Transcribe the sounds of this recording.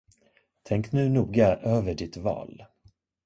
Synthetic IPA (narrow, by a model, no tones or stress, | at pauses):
t̪ʰɛŋknʉ̟ːnuːɡaʔøːvəɖɪt̪vɑ̰ːl